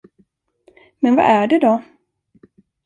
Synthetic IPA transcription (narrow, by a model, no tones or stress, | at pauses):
mɛnva̰ʔæɖɛd̪ɔ